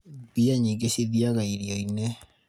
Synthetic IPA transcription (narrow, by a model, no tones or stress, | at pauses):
biaɲiɡeɕeðiaɣaiɾiɔinɛ